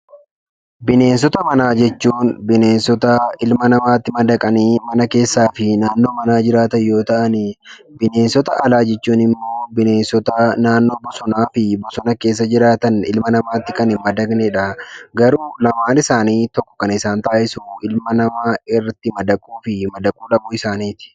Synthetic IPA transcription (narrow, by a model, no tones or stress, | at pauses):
bɪne̞ːnsɔt̪ɐmɐnaːd͡ʒɛt͡ʃːuːnbɪne̞ːnsɔt̪ɐɪlmɐnɐmaːt̪ːɪmɐd̪ɐkʼɐniːmɐnɐke̞ːsːaːfɪnaːnːo̞ːmɐnaːd͡ʒɪɾaːt̪ɐjo̞ːt̪ɐʔɐnɪ | bɪne̞ːnsɔt̪ɐʔɐlaːd͡ʒɛt͡ʃːuːnɪmːo̞ːbɪne̞ːnsɔt̪ɐnaːnːo̞ːbɔsɔnaːfɪbɔsɔnɐke̞ːs̬ːɐd͡ʒɪɾaːt̪ɐnɪ̰lmɐnɐmaːt̪ːɪkɐnɪmɐd̪ɐɡnɛᶑɐɡɐɾuːlɐmaːnɪsaːniːt̪ɔkːɔ̥kːɐnɪsaːnt̪aːʔɪsuɪlmɐnɐmaːɪrːɐt̪ːɪmɐd̪ɐkʼuːfɪmɐd̪ɐkʼuːᶑɐbuːɪsaːniːt̪ɪ̥